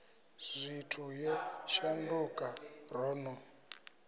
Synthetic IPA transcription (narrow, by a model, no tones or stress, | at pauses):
z̥ʷitʰujɛʃandukʼarɔːnɔ